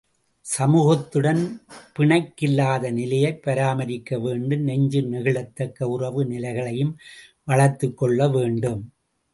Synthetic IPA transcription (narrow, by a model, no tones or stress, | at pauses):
sɐmuːɣɐt̪ːɯɽɐnpɪɳɐɪkːɪlːaːðɐnɪlɐjɐɪpːɐɾaːmɐɾɪkːɐʋeːɳɖɯnɛɲd͡ʒɯnɪɣɪɭɐt̪ːɐkːɐʊrɐʋɯnɪlɐɪɣɐɭɐjɯmʋɐɭɐɾt̪ːɯkːɔɭːɐʋeːɳɖɯm